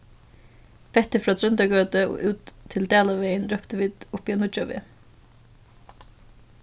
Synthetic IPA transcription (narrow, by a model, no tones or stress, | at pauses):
fɛt̪əfɾɑːt̪ʰɾœnd̪ɑɡøːt̪əo̰ːʔʉːt̪ʰːɪld̪eːlɑʋeɪənɾœpt̪əʋiːd̪̥ʊpiːɑːnʊt͡ʃɑʋɪ̰